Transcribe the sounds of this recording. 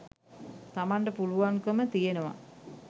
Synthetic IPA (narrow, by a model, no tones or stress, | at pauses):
t̪amaɳɖəpuluʋaŋkəmət̪ijenəʋa̰